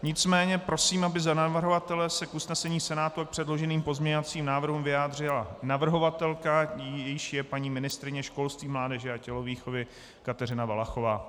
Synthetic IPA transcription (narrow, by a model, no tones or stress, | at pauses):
ɲɪt͡smɛːɲɛpɾo̞siːmabɪzanavr̩ɦovat̪ɛlɛsɛkʔusnɛsɛɲiːsɛnaːt̪uak̚pr̝̥ɛdlo̞ʒɛniːmpo̞zmɲɛɲovat͡siːmnaːvrɦumvɪjaːd̪r̝ɪlanavr̩ɦo̞vat̪ɛlkaijɛjɪʃjɛpaɲiːmɪnɪst̪ɾɪɲɛʃko̞lst̪viːmlaːdɛʒɛacɛlo̞viːxo̞vɪ | kat̪ɛr̝ɪnavalaxo̞vaː